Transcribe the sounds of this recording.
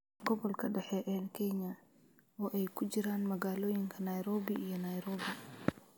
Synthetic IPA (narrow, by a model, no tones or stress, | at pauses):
ɡɔβɔlkʰɐɖɛħɛʔɛnkʰɛɲɐ | ɔːʔɛjkʰʊt͡ʃɪɾaːnmɐɣaːlɔːjɪŋkʰɐnɐjɾɔːbɪʔijɞnɐjɾɔːbɪ